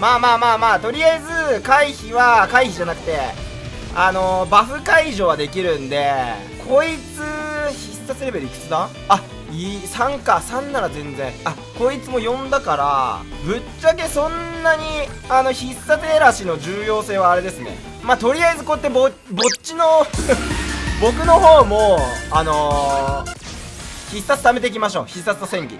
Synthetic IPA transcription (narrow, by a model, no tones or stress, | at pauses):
maːmaːmaːmaːt̪o̞ɾʲiaizɨkaiçiβakaiçiʑanakɯ̟̥t̪e̞ | ano̞baɸɯ̟kaiʑo̞ːβad̪e̞kʲiɾɯ̟̃nd̪e̞ | kʰo̞it͡sɨçisːaseɾebe̞ɾɯ̟ikɯ̟̥t͡sɨd̪a | a | isãŋkasãnːaɾazẽ̞nd͡zẽ̞ɴa | ko̞it͡sɨmo̞jõ̞nd̪akaɾa̰bɯ̟t͡ɕːake̞sõ̞nːaɲ̟i | ano̞çisːat͡seɾaɕino̞ʑɨːjo̞ːse̞ːβaːɾe̞d̪e̞sɨne̞̰ | maːt̪o̞ɾʲijaizɨkot̪ːebo | bo̞t͡ɕːino̞ | bo̞k̬ɯ̟no̞ho̞ːmo̞ano̞ | çisːat͡sɨ̥t̪ame̞t̪e̞ik̬ʲimaɕo̞̰ːçisːat͡sɨnosẽ̞ŋɡʲḭ